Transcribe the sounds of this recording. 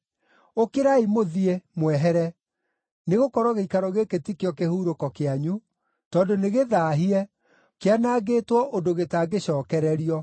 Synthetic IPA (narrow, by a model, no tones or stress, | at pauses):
okeɾaimoðiemwɛɦɛɾɛ | neɣokɔɾɔɣeikaɾɔɣeketikeɔkehuːɾokɔkeaɲu | tɔːndoneɣeðaːɦiɛ | keanaːɣetwɔʔondoɣetaɡeɕɔːkɛɾɛɾiɔ